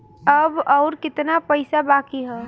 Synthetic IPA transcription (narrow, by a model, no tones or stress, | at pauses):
əbɔːɾkɪt̪napəɪsabaːkiɦɛ